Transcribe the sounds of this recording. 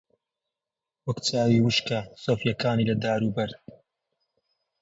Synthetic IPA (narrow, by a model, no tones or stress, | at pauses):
wɐkt͡saːwiːwɨʃkasoːfjɐkaːniːlɐd̪aːɾuːbɐɾ